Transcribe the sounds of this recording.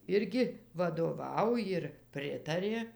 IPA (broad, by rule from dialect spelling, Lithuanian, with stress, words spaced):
ˈɪrʲɡʲɪ ʋɐdoːˈʋɐʊ jɪr ˈpʲrʲɪtɐrʲeː